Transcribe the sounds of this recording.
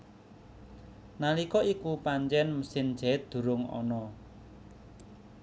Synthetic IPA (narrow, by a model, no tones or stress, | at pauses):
nalikɔikupaɲt͡ʃɛnməsɪn̥d͡ʒ̥ɛt̪̚d̪̥ṳɾʊŋɔ̰nɔ